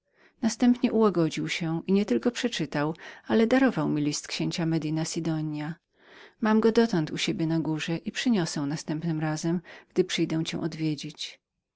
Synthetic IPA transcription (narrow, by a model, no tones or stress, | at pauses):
nast̪ɛmpɲɛʔuwaɡɔd͡ʑiwɕɛʔiɲɛt̪ɘlkɔpʂɛt͡ʂɘt̪awalɛd̪aɾɔvawmʲilʲist̪kɕeɲt͡ɕamɛd̪inasʲid̪ɔɲja | mamɡɔd̪ɔt̪ɔnt̪uɕebʲjɛnaɡuʐɛʔipʂɘɲɔsɛ̃w̃nast̪ɛmpnɘmɾazɛmɡ̥d̪ɘpʂɘjd̪ɛw̃t͡ɕɛ̰̃w̃ʔɔd̪vʲjed͡ʑet͡ɕ